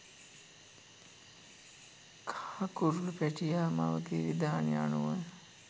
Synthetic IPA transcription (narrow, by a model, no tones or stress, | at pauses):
kʰḁːakuɾulupæʈijaːma̰ʋət̪eːʋid̪aːnia̰nuʋan